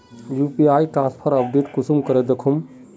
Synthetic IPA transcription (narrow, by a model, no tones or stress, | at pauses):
jupiaːjʈɾãːnspʰəɾɐpɖeːʈkʊsumkəɾed̪ekʰum